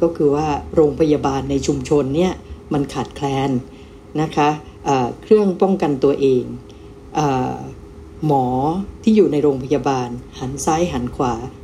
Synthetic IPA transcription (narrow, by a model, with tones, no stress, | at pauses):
kɔː˥˩kʰɯː˧waː˥˩ɾoː˧ŋpʰa˧ja˧baː˧nːa˧jt͡ɕʰu˧mt͡ɕʰo˧nːi˥˩ɐma˧nkʰaː˨˩t̪̚kʰlɛː˧n | na˦˥kʰa˦˥ | ʔɤː˨˩kʰɾɯ˥˩əŋpɔ˥˩ŋka˧nt̪u˧ɐʔeː˧ŋ | ʔɤː˨˩ | mɔː˩˦t̪ʰiː˥˩juː˨˩na˧jɾoː˧ŋpʰa˧jaː˧baː˧nha˩˦nsa˦˥jɦa˩˦nkʰwaː˩˦